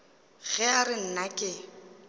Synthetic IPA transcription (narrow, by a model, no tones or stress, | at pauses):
ɣɛarɪn̩nakʼɪ